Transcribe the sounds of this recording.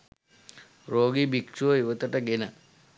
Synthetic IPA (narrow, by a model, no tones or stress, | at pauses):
roːɡibikt͡ʃuʋəiʋət̪əʈəɡenə